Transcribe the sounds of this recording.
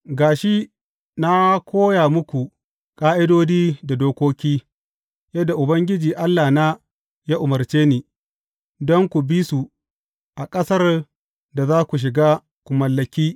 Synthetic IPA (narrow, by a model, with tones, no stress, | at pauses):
ɡaː˨ʃi˦ | na˦kʷʰoː˦jaː˨mʊ˦kʷu˨ | kʼaː˦ʔɪ˦doː˦d͡ʒiː˦da˨doː˦kʷoː˦kʲiː˦ | jɐ˦dːa˨ʔʊ˨bɐ˦ŋɡʲɪ˦d͡ʒiː˨ʔa˦lːaː˨na˦ | jaː˦ʔʊ˨mɐ˨rt͡ʃeː˦niː˨ | dɔ˦ŋkʷu˨bi˦su˨ | ʔa˨kʼɐ˦sɐ˦r | da˨zaː˦kʷu˨ʃ̬ɪ˨ɡaː˦ | kʷʊ˨mɐ˨lːɐ˨kʲiː˦